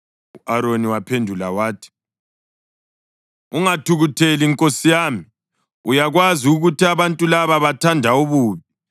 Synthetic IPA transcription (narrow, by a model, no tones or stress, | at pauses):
uʔaɾoniwapʰendʱulawaːtʰi̥ | uŋatʰuɣutʰeliŋkʼosijaːmi | ujaɣwaziuɣutiaβantʼulaβaβatʰandʱauβuːβi